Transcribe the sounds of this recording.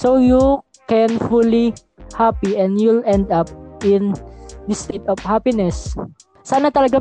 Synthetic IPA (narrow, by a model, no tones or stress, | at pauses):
soju | kɛnfuli | hapiɛ̃nd̪julɛnd̪ap̚ɪ̃nd̪ɐst̪et̪ɔvhapinɛsː | aːnɐt̪ɐlɐɡa